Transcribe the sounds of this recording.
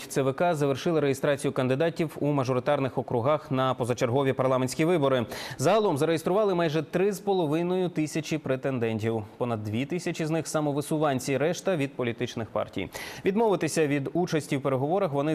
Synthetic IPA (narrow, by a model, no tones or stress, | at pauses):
t̪sɛʋɛkɑzɐʋerʃɪlˠɪɾejest̪ɾɑt͡sʲijʊkɐnd̪ɪd̪ɑtʲiwumɐʒɔɾɪt̪ɑrnɪxɔkɾʊɦɑxnɐpɔzɐt͡ʃerɦɔʋʲipɐrlˠɑmenʲsʲkʲiʋɪbɔɾɪzɐɦɐlˠɔmzɐɾejest̪ɾʊʋɑlˠɪmɑjʒɛt̪ɾɪspɔlˠɔʋɪnɔjʊt̪ɪsʲɐt͡ʃʲipɾet̪end̪ɛnʲtʲiwpɔnɐd̪̚ːʋʲit̪ɪsʲɐt͡ʃʲiznɪxsɑmɔʋɪsʊʋɑnʲt͡sʲiɾɛʃt̪ɐʋʲid̪̚pɔlʲit̪ɪt͡ʃnɪxpɑ̰rtʲḭjʋʲid̪mɔʋɪt̪ɪsʲɐʋʲid̪ut͡ʃɐsʲtʲiwpeɾeɦɔʋɔɾɐxʋɔnɪ